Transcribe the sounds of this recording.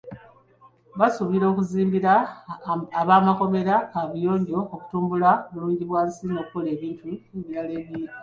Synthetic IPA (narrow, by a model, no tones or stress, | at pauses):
βasuβiɾo̞ːkuziːmbiɾaː | βaːmako̞me̞ɾakaβujo̞ːɲɟo̞ːku̥tuːmbulaβuluːɲɟiβwaːnsino̞ːkːole̞ːβiːntʰueβiɾale̞ːβji